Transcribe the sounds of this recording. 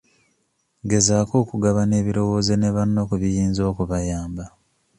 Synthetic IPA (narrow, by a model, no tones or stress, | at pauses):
ɡe̞zaːko̞ːkuɡaβane̞ːβiɾo̞wo̞ːze̞neβanːokuβijiːnzo̞ːkuβajaːmba